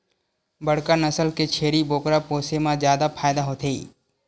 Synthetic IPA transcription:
bəɽkanəsəlket͡ʃʰeːɽiboːkɾapoːsemãzjaːd̪apʰaːjd̪aɦoːt̪ʰeː

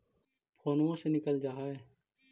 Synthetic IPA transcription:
xoːnuõsenɪkəld͡ʒaːɦae

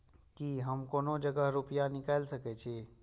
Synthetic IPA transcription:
kiɦəmkoːnod͡ʒəɡəɦɾupijanɪkaːlsəkɛt͡ʃʰe

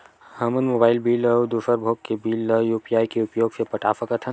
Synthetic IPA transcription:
hɐmənmoːbaːɪlbiːləwd̪usəɾbʱoːkkːebiːlːəjupjaːjkeupjoːɡsepɐʈʰaːfəkɐt̪ʰɐ

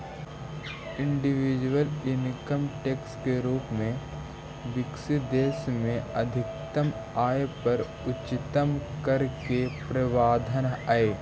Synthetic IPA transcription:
ɪ̃ɳɖɪʋɪd͡ʒwəlɪnkəmʈeːkskeɾuːpmẽ | ʋɪksid̪eːsmẽɐd̪ʱɪk̚t̪əm | aːjepɐɾ | ʊt͡ʃɪt̪əmkəɾkepɾəʋaːd̪ʱənaːeː

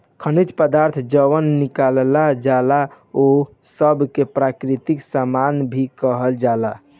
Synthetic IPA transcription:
kʰənit͡ʃpəd̪aɾt̪ʰd͡ʒəʋənːikallad͡ʒala | o | səbkepɾakɾit̪iksamanbʱikəɦəld͡ʒala

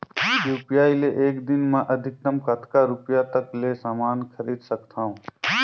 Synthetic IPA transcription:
juːpijaːileʔeːkd̪ɪnmãʔəd̪ʱɪk̚t̪əmkat̪kaɾʊpjat̪əkleːsaːmaːnkʰəɾiːd̪səkt̪ʰaːɦũː

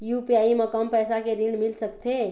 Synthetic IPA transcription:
jupjaimekəmpɛːsakeɾiɳmilsəkt̪e

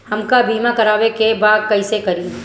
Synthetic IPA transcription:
hɐmkabʱiːmakɐɾaːwekebaːɡ̚kɐisekɐɾiː

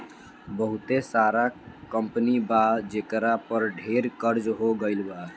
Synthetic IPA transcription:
bəɦut̪esaɾakəmpnibad͡ʒekɾapəɾɖʱeɾkəɾd͡ʒɦoɡəɪlba

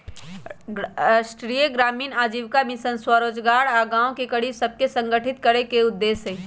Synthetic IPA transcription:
sʈɾijəɡɾaːmiːnaːd͡ʒiʋkamisənswəɾoːd͡ʒɡaːɾaɡãːõkekəɽisəb̚kesə̃ŋɡəʈʰit̪̚kəɾekeʊd̪ːeːsɦe

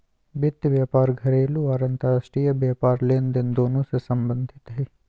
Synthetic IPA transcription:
bɪt̪ːʋjaːpaːɾɡʱɐɾeːluaːɾɐ̃nt̪aɾasʈɾijəbjaːpaːɾleːnd̪ɪnd̪oːnõsesɐ̃mbə̃nd̪ʱɪt̪ɦɛː

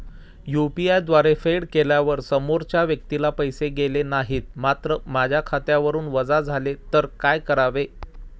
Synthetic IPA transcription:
jupiajd̪ʋaɾefeɽkeljaʋəɾsəmoɾt͡ɕjaʋjək̚t̪ilapəjseɡelenaɦiːt̪̚mat̪ɾəmad͡ʑʱjakʰat̪jaʋəɾuːnʋəd͡zad͡zʱalet̪əɾkajkəɾaʋe

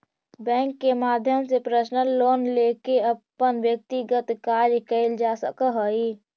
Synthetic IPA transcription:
bɛ̃ːŋkːemaːd̪ʱjəmsepɾəʃnəlːoːnleːkeəpːənwjək̚t̪iɡət̪kaːɾjkəɪld͡ʒaːsəkəɦəi

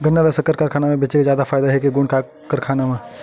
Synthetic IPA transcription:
ɡʱɐnːalɐsəkːəɾkaɾkʰaːnamẽbet͡ʃekazjaːd̪afaːɪd̪aɦɛkiɡuːɳka | kːəɾkʰaːnamẽ

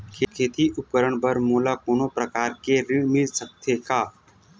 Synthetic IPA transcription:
kʰeːkʰeːt̪iʔʊkəɾəɳbəɾmoːlakoːnopɾəkaːɾkeɾɪɽmɪlsək̚t̪ʰekaː

